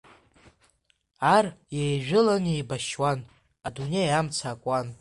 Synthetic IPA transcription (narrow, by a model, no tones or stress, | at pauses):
arjejʒᶣɪlanejbaʃwan | adunejamt͡sʰaːkʷʼan